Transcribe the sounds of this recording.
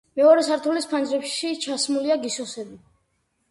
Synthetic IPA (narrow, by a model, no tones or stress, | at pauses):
mɛɔɾɛsaɾt̪ʰulispʰand͡ʒɾɛpʃit͡ʃʰasmuliaɡisɔsɛbi